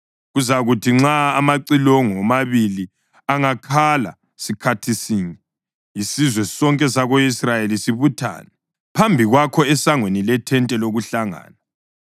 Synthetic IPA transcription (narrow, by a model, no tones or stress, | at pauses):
ɣuzaɣutʰiŋ͡ǁaːmaǀilɔŋɔmaβili | aŋakʰala̰ | sikʰatʰisiŋɛ | isizwɛsɔŋkʼɛs̬aɣoisrajelisiβutʰa̰ːnɛ | pʰambʱiɣwakʰɔɛsaŋwenilɛtʰɛntʼɛloɣuɬaŋa̰ːna